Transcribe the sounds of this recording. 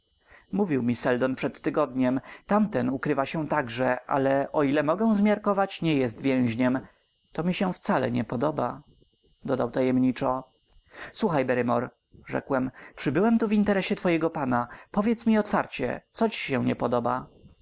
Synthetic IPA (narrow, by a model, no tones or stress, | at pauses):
muvʲiwmʲisɛld̪ɔnpʂɛt̪ːɘɡɔd̪ɲɛmt̪amt̪ɛnukɾɘvaɕɛt̪aɡʐɛʔa̰lɛʔɔilɛmɔɡɛw̃zmʲjaɾkɔvat͡ɕɲɛjɛst̪vʲjɛ̃w̃ʑɲɛm | t̪ɔmʲiɕɛft̪salɛ̰ɲɛpɔd̪ɔba | d̪ɔd̪awt̪ajɛmɲit͡ʂɔ | swuxajbɛɾɘmɔɾ | ʐɛ̰kwɛmpʂɘbɘwɛmt̪uvint̪ɛɾɛɕɛt̪fɔjɛɡɔpanapɔvʲjɛt̪smʲiɔt̪faɾt͡ɕɛ̰t̪sɔt͡ɕi̥ɕɛwɲɛpɔd̪ɔba